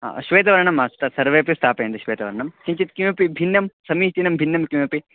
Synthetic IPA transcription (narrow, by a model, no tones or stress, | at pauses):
ɦa̰ːɐ̰ʃʋeːt̪̬ɐʋɐɾɐɳɐmːast̪ɐsɐɾʋeːpist̪ʰaːpeːnd̪ɐʃʋeːt̪ɐʋɐɾɐɳɐmkiɲt͡ʃit̪kimɐpibʱinːɐmsɐmiːt̪inɐmbʱinːɐmkimɐpi